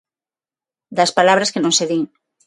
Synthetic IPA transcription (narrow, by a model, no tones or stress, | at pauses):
d̪ɐspalaβ̞ɾɐskenõŋseðiŋ